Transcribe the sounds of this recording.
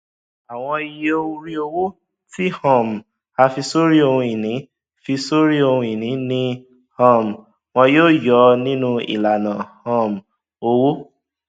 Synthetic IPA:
a˨w̃ɔ̃˧i˧je˦o˦˧u˧ɾi˦o˧wo˦ | ti˦hɔ̃˦˨m˨ | a˧fi˧so˦ɾi˦o˧hũ˧i˨nĩ˨˦ | fi˧so˦ɾi˦o˧hũ˧i˨nĩ˨˦nĩ˦ | hɔ̃˦˨m˨ | wɔ̃˧joː˦˨jɔ˨˧˦nĩ˦nũ˧ḭ˨la˨nã˨hɔ̃˦˨m̩˨ | o˧wo˦

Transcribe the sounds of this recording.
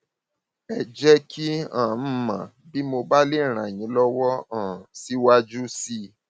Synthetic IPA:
ɛ˨d͡ʒɛ˦kʰi˦ã̰˨m̩˦mã̰˨ | bi˦mo˧ba˦le˦˨ɾ̃ã˨j̃ĩ˨˧˦lɔ˦wɔ˦ã˦˨si˦wa˦d͡ʒu˦si˦

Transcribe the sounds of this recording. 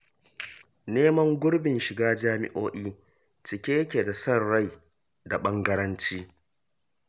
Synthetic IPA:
neː˦mɐ˦ŋɡʷʊ˦ɽbɪ˨nʃɪ˨ɡaː˦d͡ʒaː˦mɪ̰˦ʔoː˦ʔiː˦ | t͡ʃɪ˨kʲeː˦kʲe˨da˨sɐ˦rːɐ˦˨j | da˨ɓɐ˦ŋɡɐ˦ɾɐ˦nt͡ʃiː˦

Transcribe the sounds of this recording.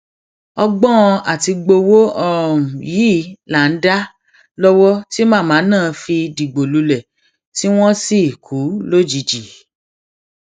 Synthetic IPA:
ɔ˧ɡ͡bɔ˦ɔ̃˧a˦˨ti˧ɡ͡bo˧wo˦ɔ˦˨ɾɔ˨ũ˨ji˨˦˨la˨n̩˦da˦ | lɔ˦wɔ˦ti˦mãː˦˨mãː˨˦nãː˦˨˧fi˧di˨ɡ͡bo˨lu˧lɛ˨ | ti˦w̃ɔ̃˦si˦˨kʰu˨˦lo˦˨d͡ʒi˨˧d͡ʒi˨

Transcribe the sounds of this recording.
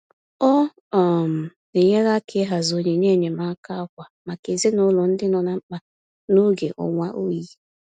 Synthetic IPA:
ɔ˦ | ɔ˨m̩˨ | e˨ɲe˦ɾa˦kʰɪ˦ɦa˨zo˨ɲe˨ɲe˦˨ɲe˨ma˦ka˦kʷa˨ma˨ke˨ze˦nʊ˦lʊ˨n̩˦dɪ˦nɔ˨na˨ŋ͡m̩˦k͡pa˦ | no˦ɡe˨ʔɔ̰˨ŋʷa˦ʔo˦ji˦

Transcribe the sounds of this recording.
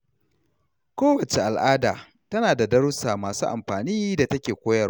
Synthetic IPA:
kʷoː˦wɐ˨t͡ʃe˨ʔa˨lʔaː˦daː˨ | tɐ˦naː˨da˨dɐ˦ɾʊ˦saː˨maː˨suː˦ʔa̰˨mɸaː˨niː˦da˨tɐ˦kʲeː˨kʷoː˦jɐ˦

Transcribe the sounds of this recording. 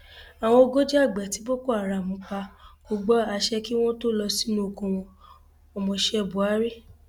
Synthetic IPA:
a˨w̃ɔ̃˧o˧ɡo˦d͡ʒɛ˦a˦˨ɡ͡bɛ˨ti˨˦bo˦ko˦˨a˨ɾa˨mũ˨˦k͡pa˧ko˧ɡ͡bɔ˦a˧ʃɛ˦ki˦w̃ɔ̃˦to˦lɔ˧si˦nũ˦o˨kõ˧w̃ɔ̃˧ | ɔ˨mɔ̃˨˧ʃɛ˧˨bu˨a˨˦ɾe˦˨

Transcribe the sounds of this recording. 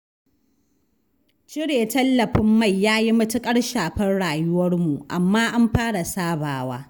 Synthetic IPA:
t͡ʃɪ˦ɽeː˨tɐ˦lːɐ˨ɸɪ˦mːa˦˨jːaː˦ji˦mɐ˦tʊ˦kʼɐ˦ɽʃaː˨ɸɐ˦nɽaː˨jʊ˦wɐ˦rmu˨ʔa̰˨mːaː˦ʔa˦mɸaː˦ɽa˨saː˦baː˨waː˦

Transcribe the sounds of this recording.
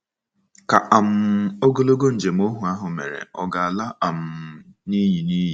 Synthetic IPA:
ka˨ʔa˨m̩˦o˦ɡo˦lo˦ɡo˦n̩˨d͡ʒe˨m̩˦o˦ɦu˨a˦ɦʊ˨mḛ˨ɾḛ˨ɔ˨ɡa˨a˨la˦a˨m̩˦ni˦ɲi˨ni˦ji˨

